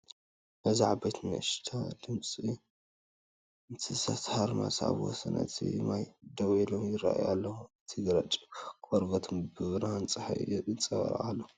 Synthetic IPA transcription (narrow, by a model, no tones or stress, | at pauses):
bɐzaʕbɐjt̪nɐ̰ʔʃt̪ʰalɨmsʼi | nt̪ʰɨsat̪haɾma̰sa̰βwɔ̰sɐnʔɐt̪ʰḭmajd̪ɐβilomjɪɾaʔajʔalːɐhuɨt̪ʰɨɡɾat͡ʃʼikoɾɡɐt̪ʰombɨβɾant͡sʼɨħa̰j̰jɛt̪ʼɨnt͡sʼɐβɐ̰ɾa̰ʔalːo